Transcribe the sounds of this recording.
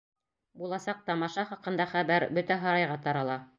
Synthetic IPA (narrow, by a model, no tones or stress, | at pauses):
bulˠɑsɑq̚t̪ɑmɑʃɑχɑqɤ̆nd̪ɑχæβæɾbɵt̪æɦɑ̆ɾɑjʁɑt̪ɑɾɑlˠɑ